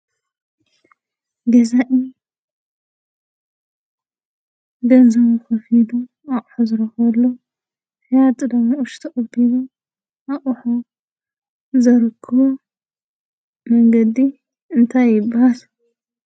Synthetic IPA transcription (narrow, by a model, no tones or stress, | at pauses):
ɡɐzaʔi | ɡɐnzɐβuxɐfid̪u | aʔʼħuzɨɾɐxɐlːo | ħijat̪ʼɨd̪ɐmoʔʊʃt̪ʰɐʔʼɐb̪ilu | ʔaʔʼħo | zɐɾkʰːɐo | mɐŋɡɐd̪i | ɨnt̪ʰajːɪbahal